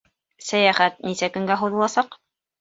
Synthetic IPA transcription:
sæjæχæt̪̚nisækɵ̆ŋɡæɦuðɤ̆lˠɑsɑq

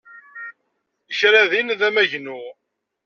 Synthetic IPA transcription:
içɾæðinðæmæʝnu

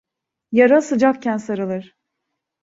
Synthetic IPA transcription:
jaɾasɯd͡ʒak̚cænsaɾɯlˠɯɾ̥

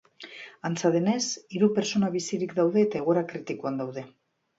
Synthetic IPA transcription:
ant͡saðene̞siɾupe̞ɾt͡so̞naβ̞isiɾikd̪awðe̞ːt̪aeɣ̞o̞ɾakɾit̪ikuand̪awðe̞

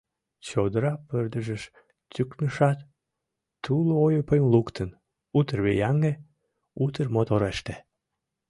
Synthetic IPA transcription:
t͡ɕod̪əɾɑpørd̪əʒəʃ | t̪ʲyknəʃɑt̪ː | uloojopemlukt̪ʰən | ut̪ərβejɑŋe | ut̪ərmot̪oɾeʃt̪e

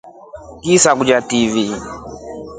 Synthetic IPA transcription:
kisak̬ud͡ʒativi

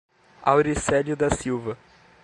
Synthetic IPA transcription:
a̰wɾisɛlʊd̪ɐsiwvɐ

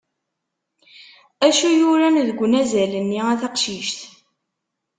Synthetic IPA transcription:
æʃujʊɾænðəɡʷːnæzælənːiæθɑqʃiʃθ

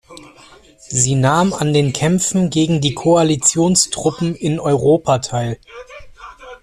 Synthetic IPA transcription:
ziːnaːma̰ndeːnkʰɛmfn̩ɡeːɡŋ̩diːkʰoalit͡sjoːnstʁ̥ʊpm̩ɪnɔʏʁoːpʰatʰaɪl

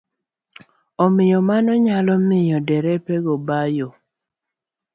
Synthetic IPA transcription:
ɔmɪjɔmanɔɲalɔmɪjɔdɛɾɛpɛɡɔbajo

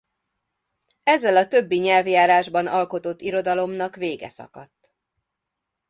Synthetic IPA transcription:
ɛzːɛlɒt̪ø̞bːiɲɛlvjaːɾaːʒbɒnɒlko̞t̪o̞t̪ːiɾo̞d̪ɒlo̞mnɒkʋeːɡɛ̰sɒ̰kɒt̪ː

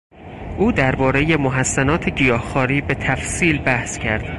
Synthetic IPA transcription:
ʔuːd̪æɾbɒːɾe̞je̞moɦæsːænɒːt̪ʰeɟijɒːhxɒːɾiːbe̞t̪ʰæfsiːlbæhscʰæɾd̪̥

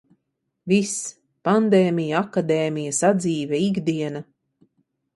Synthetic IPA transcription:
vis | pand̪eːmʲijakad̪eːmijasad̪ziːvʲɛiɡd̪iɛna

